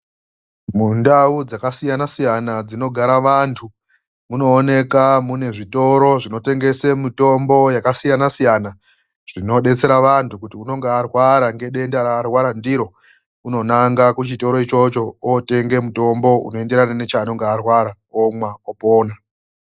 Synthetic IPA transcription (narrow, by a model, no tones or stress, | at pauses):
mundaud͡zakasijanasijanad͡zino̞ɡʱaɾaʋantʰu | muno̞ːne̞kamune̞ʐito̞ɾo̞ʐino̞te̞ŋɡe̞semito̞mbo̞jakasijanasijana | ʐ̥ino̞ɗe̞t͡se̞ɾaʋantukutiuno̞ŋɡearwaɾaŋɡe̞ɗe̞ndaɾaːrwaɾandiɾo̞ | uno̞naŋɡakut͡ʃito̞ɾo̞it͡ʃo̞t͡ʃo̞ote̞ŋɡe̞muto̞mbo̞ṵno̞e̞nde̞ɾananet͡ʃaːno̞ŋɡearwaɾa | omwaopoːna